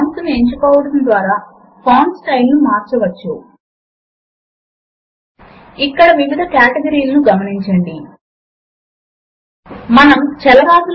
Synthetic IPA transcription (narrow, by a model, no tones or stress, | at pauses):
nt̪unieɲt͡ʃukɔːʋɐɽɐnd̪ʋaːɾaː | pʰoːnsʈɐjlnumaːɾt͡ʃɐʋɐt͡ʃːu | ikːɐɽɐʋiʋid̪ʱɐkjaːʈeɡɐɾiːlɐnuɡɐmɐniɲt͡ʃɐɳɖi | mɐnɐmt͡ʃɛlɐɾaːɡ̪ul